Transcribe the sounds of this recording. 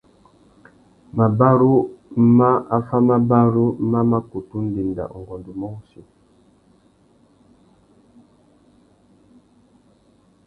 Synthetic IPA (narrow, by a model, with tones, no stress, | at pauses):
ma˨ba˦ɾu˦ma˦a˦fa˦ma˦ba˦ɾu˦ma˦ma˦ku˨tu˦n̩˦di˨nda̰˨ŋ̩˨ɡɔ˨ndu˨mɔ˦u˦su˨